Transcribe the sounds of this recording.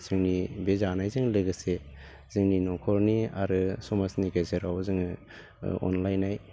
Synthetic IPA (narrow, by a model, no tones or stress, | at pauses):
z̥ɯŋnibezanajzɯŋlɯɡɯse | z̥ɯŋninɔkʰɔɾniaɾɯsɔmasniɡezɯɾawzɯŋ | ɔ̰nlajnaj